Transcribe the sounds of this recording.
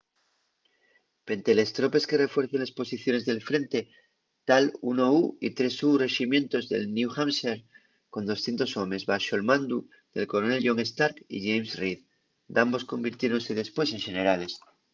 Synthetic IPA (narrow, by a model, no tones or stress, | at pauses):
pe̞nt̪ele̞st̪ɾo̞pe̞ske̞re̞fweɾθenlespo̞siθjone̞zðelfɾe̞nt̪e | t̪alṵnouḭt̪ɾe̞sure̞ximjẽ̞nt̪o̞zðe̞̰lnjuxamseɾ | ko̞nd̪o̞sθjent̪o̞so̞me̞zβaʃo̞lmãnd̪u | d̪̥e̞lko̞ɾone̞lʝo̞ŋe̞st̪aɾkḭʝejmsrið | d̪ambo̞sko̞mbiɾt̪je̞ɾo̞nse̞ðe̞spwe̞s̬eŋʃe̞ne̞ɾale̞s